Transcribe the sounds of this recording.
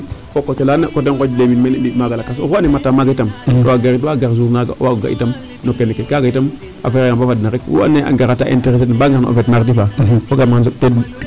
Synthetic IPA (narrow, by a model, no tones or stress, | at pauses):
kokːot͡ʃelanakot̬enkod͡ʒleminmenibitmaɡalakas̬o̰koanematːamaɡaitamto̰aɡaɾitwaɡaɾzuɾnaɡa̰waɡa̰ḭtam | nokːenekekaɡaitam | a̰feɾejabavadnaɾekwo̰a̰neʔa̰ŋɡaɾataʔḛnteɾes̬etbaɡaɾno̰o̰fetmaɾdifafoɡamnzokted